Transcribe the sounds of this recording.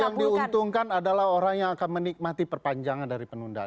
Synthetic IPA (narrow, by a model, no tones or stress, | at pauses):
jaŋdiunt̪uŋkanadalahoɾaŋjaŋakanmənik̚mat̪ipərpaɲd͡ʒaŋandaɾipənunda̰